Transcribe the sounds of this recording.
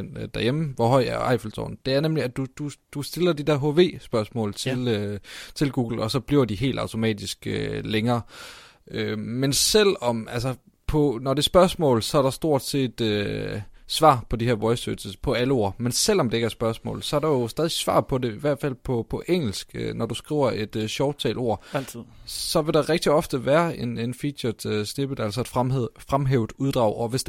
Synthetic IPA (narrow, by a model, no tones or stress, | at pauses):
n̰d̥æɐjemʋɒɦɒ̽ɪ̰æɐɑ̈ɪfl̩t͡sʰɒ̰ːn̩d̥e̝æɐnemliæd̥ud̥ud̥usd̥e̝lɐd̥id̥ɛɐɦo̝ʋe̝̰ːsb̥ɶɐsmɔ̰̽ːlt͡sʰe̝lt͡sʰe̝lɡ̥uːɡ̥l̩ɒ̽sɒ̽b̥liɐʊd̥iɦe̝̰ːld̥ɑ̈ʊt͡sʰo̝mɛ̰ːd̥isɡ̥øleŋɐː | ømensel̰ɒ̽mæls̬ɐ | pʰɒ̽nɒd̥e̝ɐsb̥ɶɐsmɔ̰̽ːlsɒ̽æɐɾ̥ɑ̈sd̥o̝ɐ̰d̥se̝̰ːd̥ø | sʋɑ̰̈ːpʰɒ̽diheɐ̰ʋɒɪsødsəpʰɒ̽æləo̝ɐ̰mensel̰ɒ̽md̥e̝e̝ɡ̥æɐsb̥ɶɐsmɔ̰̽ːlsɒ̽æɐɾɑjo̝sd̥ɛːð̞ˠisʋɑ̰̈ːpʰɒ̽de̝iʋæɐ̰d̥fæl̰pʰɒ̽pʰɒ̽ʔeŋ̰l̩sɡ̥ønɒd̥usɡ̥ʁḭːʊ̰ɐʔe̝d̥ɕɒʊt͡sʰɛ̰ːlo̝ɐ̰ | sɒ̽ʋe̝ɾ̥ɑ̈ʁɛɡ̥̚d̥iɒ̽fd̥əʋæːɐe̝nenfid̥ɒd̥sne̝b̥əð̩ˠæl̰sɒe̝d̥fʁamɦḛːʊd̥ˠuðˠd̥ʁɑ̈ʊɒ̽ʋe̝s